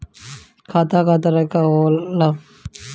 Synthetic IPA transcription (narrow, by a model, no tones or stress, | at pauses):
kʰaːt̪aːkaːt̪aɾɐkaoːla